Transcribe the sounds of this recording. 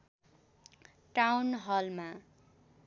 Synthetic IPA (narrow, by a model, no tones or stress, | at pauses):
ʈawnɦʌlma